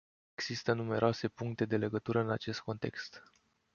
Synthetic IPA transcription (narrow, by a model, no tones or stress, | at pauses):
e̞ɡz̥ist̪ənume̞ɾʔoase̞puŋk̚t̪e̞d̪e̞le̞ɡət̪uɾəɨnat͡ʃe̞st̪̚ko̞nt̪e̞̰kst̪